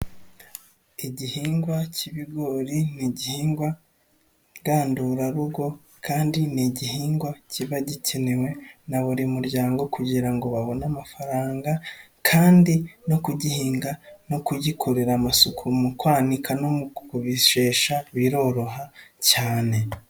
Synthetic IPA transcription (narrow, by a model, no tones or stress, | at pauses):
iɟihiːŋɡwaciβiɡo̞ɾiniɟihiːŋɡwa | ɡaːnduɾaɾuɡo̞ | kʰaːndiniɟihiːŋɡwaciβaɟicʰenewe̞naβoɾimuɾɟaːŋɡo̞kuɟiɾaŋɡo̞βaβo̞namafaɾaːŋɡa | kʰaːndino̞kuɟihiːŋɡano̞kuɟikʰoɾeɾamasukʰumukwaːnikʰanomuuβiʃeːʃaβiɾo̞ːɾo̞ɦacaːne̞